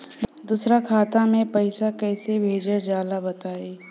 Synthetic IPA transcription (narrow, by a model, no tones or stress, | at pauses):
d̪usɾakʰaːt̪amẽpɐɪsakɛːsebʱeːd͡ʒəɾd͡ʒaːlabɐt̪aːeː